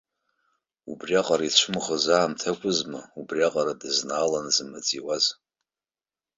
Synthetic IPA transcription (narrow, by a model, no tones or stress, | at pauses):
ṵbriaqʼaɾait͡ʃʷʰʊmʁəzaːmtʰakʷʼʊzmaubriaqʼaɾadɨznaːlanzɨmat͡sʼiwaz